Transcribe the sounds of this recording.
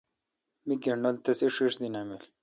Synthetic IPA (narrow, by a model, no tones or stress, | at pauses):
miɡeɳolt̪ɐsiʂiʂd̪inamil